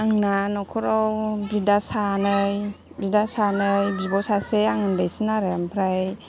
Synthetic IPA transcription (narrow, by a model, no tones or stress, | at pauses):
aŋnanɔkʰɔɾɔwbidasanɯj | bidasanɯjbibɔsaseaŋɯndajsinaɾɯjampʰɾaj